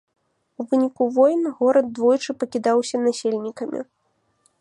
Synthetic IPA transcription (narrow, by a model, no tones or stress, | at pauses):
uvɨnʲikuvɔjnɣɔɾɐd̪̚d̪ːvɔjt͡ʂɨpɐkʲid̪awsʲɐnasʲelʲnʲikɐmʲḭ